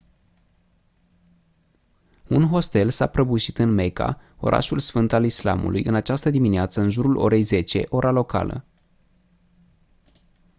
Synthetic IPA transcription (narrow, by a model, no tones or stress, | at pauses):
unɦo̞st̪e̞lsapɾəbuʃit̪ɨnme̞ka̰ | o̞̰ɾʔa̰ʃulsfɨnt̪alisla̰mṵlʔujɨnat͡ʃast̪əd̪imineat̪səɨnʒuɾulʔo̞̰ɾe̞jze̞t͡ʃe̞ʔo̞ɾalo̞ka̰lə̰